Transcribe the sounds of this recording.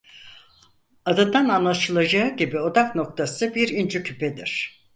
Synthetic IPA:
ad̪ad̪ananlˠaʃɯlˠad͡ʒaɯɟibio̞d̪akno̞k̚t̪ʰasɯbiɾind͡ʒycʰypʰɛd̪ḭɾ̥

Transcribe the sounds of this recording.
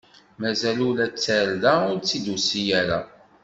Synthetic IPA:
mæzælʊɾæt͡sːæɾðæʊɾt͡sːid̪usijæɾa̰

